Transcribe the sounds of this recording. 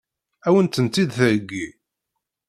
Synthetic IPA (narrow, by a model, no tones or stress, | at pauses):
æwənt̪ənt̪ːid̪θəɾəɡːi